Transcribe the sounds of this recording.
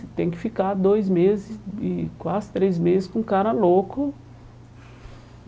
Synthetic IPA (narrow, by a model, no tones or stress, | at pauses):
t̪ẽj̃kɪ̥fikaɾd̪ojzmezɪsɪkwazɪt̪ɾejzmezɪskõkaɾɐlokʊ